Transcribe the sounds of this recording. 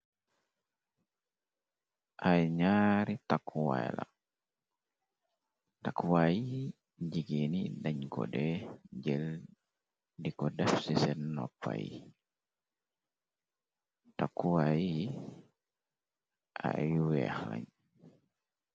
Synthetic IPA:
ʔajɲaɾitakʰːuwaɛla̰ | takuwai | d͡ʒiɡenidaɲkɔ̰dɛd͡ʒɛl | dikɔdafsisɛnːɔpːa̰jḭ | takːuwaji | a̰juwɛ̰xla̰ɲ

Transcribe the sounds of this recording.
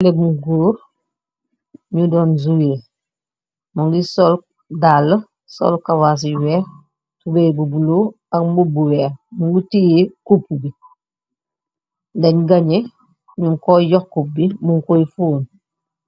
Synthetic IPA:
lebuŋɡoːɾ | ɲudɔːnzuweː | muŋɡisɔl | dalːə | sɔ̰lkawas̬iwɛ | tubebubulu | akmubuwɛːmuŋɡutijekupːubi | dɐɲɡɐɲe | ɲuŋkojɔkːubimuŋkojfuːn

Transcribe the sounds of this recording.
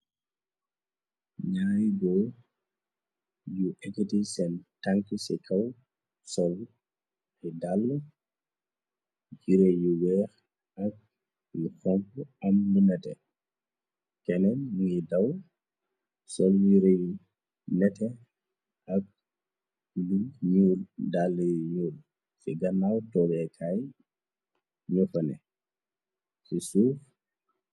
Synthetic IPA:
ɲajɡɔ | juʔɛkːɛtisɛntaŋkisɛkʰaw | sɔl | hɛdalːɔ | d͡ʒiɾɛjuwɛɾ | ak̚ | juhɔŋkɔamlunɛtɛ̰ | kɛnɛnmuidɐw | sɔlɲiɾeju | nɛtɛ | ɐk̚ | luɲuːldalːəjɲuːl | fɛɡɐnːawtɔːbɛkʰaj | ɲɔfɐnɛ̰ | sisuːf

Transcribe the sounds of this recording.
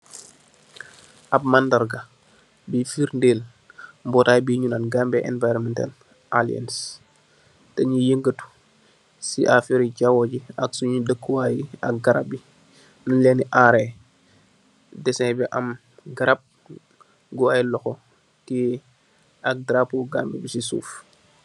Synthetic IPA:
ʔab̚mandaɾɡa | bifiɾndeːl | mbɔːtajbiɲunanɡambɛʔɛnvajɾɔmɛnta̰l | ʔalia̰ns | tɛɲijəŋɡətu̥ | siʔafiɾiɟawɔɟiɐksuɲudəkːuwajiɐ̰k̚ɡaɾap̚bi | nulɛniʔaɾe | dɛsɛbiʔa̰m | ɡaɾap̚ | ɡɔajlɔxɔ | ki | ak̚dɾapuɡaːmbɛbisisṵːf

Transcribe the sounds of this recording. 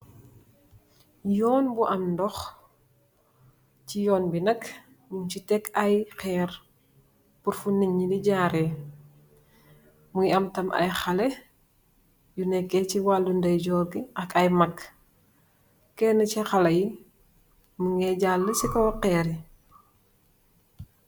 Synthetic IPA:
jɔːnbuʔɐmndɔx | cijɔːnbinɐk | muɲcitɛkʰɐjxɛːɾ | puɾfuniɲːiliɟaːɾɛ | muŋiɐmtɐmɐ̰jxɐle | junɛkːɛciwalːundɐjɟɔːɾɡiʔɐkɐjmɐkː | kːɛnəcɛxɐlɐji | muŋɛɟaːlːəsikɐqɛːɾi

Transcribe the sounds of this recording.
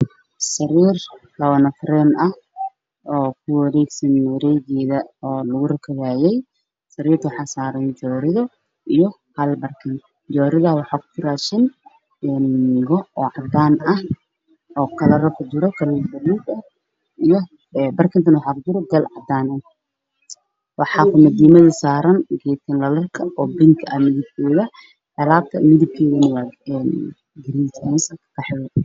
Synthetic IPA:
sɐɾiːrlɐwɐnɐfɾɛnʔɐh | ɔːkʰʊwɐɾɛːɡsɐnːɾɛjɣɛːðɐɔːlɐɣʊrɐkʰɐɣaːjɛj | sɐɾiːrt̪ʰwɑħɑːsaːɾɐnd͡ʒɔːɾɪðɔ | ijɔ | hɐlbɐrkʰɐn | d͡ʒɔːɾɪðɐwɑħɑːkʰʊ̥kʊraːʃɪn | ɛnɣɔɔːʕɑd̪aːnɐh | ɔːkʰɐlɐrɐkʰʊd͡ʒɪɾɔkʰɐlibɐluːdɐ | ijɔ | bɐrkʰɪnt̪ʰɐnwɑħaːkʊd͡ʒɪɾɔɡɐlʕɑ̰d̪aːnɐn | wɑħɑːkʰʊmɐd̪iːmɐðɐsaːɾɐnɡɛjt̪ʰɪnlɐlɐrkʰɐɔːbɪŋkʰɐɐhmɪðɪb̚kʰɛːðɐ | ʕɛlaːb̚t̪ʰɐ̰mɪðɪb̚kʰɛːɣɐnɐwaɛn | ɡɪɾiːt̪ɛnsɐkkʰɐħɪwɛ

